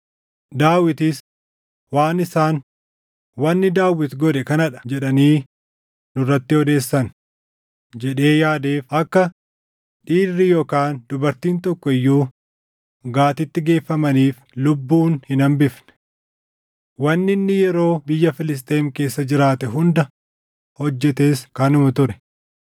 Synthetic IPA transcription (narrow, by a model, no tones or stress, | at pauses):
d̪aːwɪt̪ɪs | waːnɪsaːn | wɐnːɪd̪aːwːɪt̪ɡɔd̪ɛkɐnɐᶑɐ̥d͡ʒɛᶑɐniː | nʊrːɐt̪ːɪhɔd̪e̞ːsːɐn | d͡ʒɛᶑe̞ːjaːd̪eːfɐkːɐ | ᶑiːrːijoːkaːnd̪ʊbɐɾt̪iːnt̪ɔkːɔɪjːuː | ɡaːt̪ɪt̪ːɪɡe̞ːfːɐmɐniːf | lʊbːuːnhɪnɐmbɪfnɛ̥ | wɐnːɪnːɪjɛɾo̞ːbɪjːɐfɪlɪs̬t̪ʼe̞ːŋke̞ːsːɐd͡ʒɪɾaːt̪ɛɦʊnd̪ɐ | hɔd͡ʒːɛt̪e̞ːskɐnʊmɐt̪ʊɾɛ̥